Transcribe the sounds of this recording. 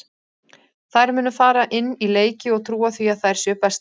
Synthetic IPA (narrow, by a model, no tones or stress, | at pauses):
θaðjɾmʏːnʏfaːɾaʔɪnːileːjcɪɔɣt̪ʰɾuːaθviaðθaðɛɾ̥sjœːpɛst̪